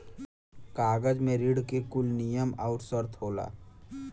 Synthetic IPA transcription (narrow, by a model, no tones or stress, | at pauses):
kaːɡəd͡ʒmẽɾiɽkekʊlnijəmaːʊʈsəɾt̪ʰɦoːla̰ː